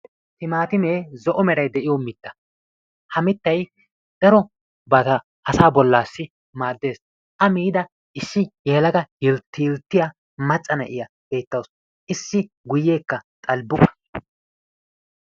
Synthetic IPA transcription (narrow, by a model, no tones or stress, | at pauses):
t̪ɪmaːt̪ɪmeːzɔʔɔmɛɾɐjd̪ɛʔɪjɔmɪt̪ːɐ̥ | hɐmɪt̪ːɐj | d̪̥ɐɾɔ | bɐt̪ɐ | ʔɐsaːbɔlːaːsːɪ | maːd̪ːe̞ːs | ʔɐmiːd̪ɐ | ʔɪsːɪjeːlɐɡɐjɪlt̪ːɪjɪlt̪ːɪja | mɐt͡sʼːɐnɐ̰ʔɪjɐ | b̥e̞ːt̪ːɐws | ʔɪsːɪ | ɡʊjːe̞ːkːɐt̪ʼɐlbʊkʼɐ̥